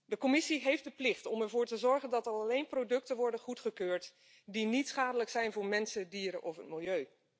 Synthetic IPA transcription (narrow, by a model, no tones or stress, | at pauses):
dəkɔmɪsiɦejfdəplɪχtɔmɛɹvʊːɹtəzɔɹχəndɑtəɾɑlejnprowdɵktəʋɔɹdəχutχəkøːɹt | dinitsχaːdələksɛjnvʊːɹmɛnsədiːɾə̰ʔɔfɦətmɪlˠjøɥ